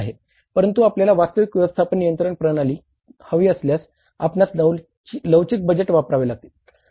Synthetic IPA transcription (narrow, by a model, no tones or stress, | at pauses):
ɦe | pəɾənt̪uapljalaʋast̪əʋikʋʲɛʋəst̪ʰapəɳnijənt̪ɾəɳpɾəɽaliː | həʋiːəsljas | a̰pnat͡s̪ | ləwt͡ɕik̚bəd͡ʑeʈʋapɾaʋelaɡ̚t̪iːl